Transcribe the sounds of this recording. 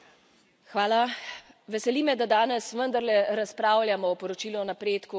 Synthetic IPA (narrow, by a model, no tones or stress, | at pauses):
xʋaːlaʋɛsɛliːmɛd̪ad̪aːnɛsʋənd̪aɾlɛɾaspɾaːwlʲjamɔːpɔɾɔt͡ʃiːluɔnapɾeːt̪ku